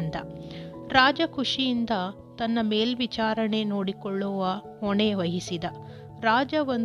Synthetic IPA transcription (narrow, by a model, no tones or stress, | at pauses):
nd̪ɐɾaːd͡ʒɐkuʂijind̪ɐ | t̪ɐnːɐme̞ːlʋit͡ʃaːɾɐne̞noːɽikɔɭːɔʋɐ | ɦɔɳeʋɐɦisid̪ɐ | ɾaːd͡ʒɐʋon